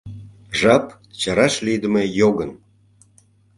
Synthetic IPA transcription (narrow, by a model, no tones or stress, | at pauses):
ʒɑp | t͡ɕɑɾɑʃlid̪ə̆mejoɣən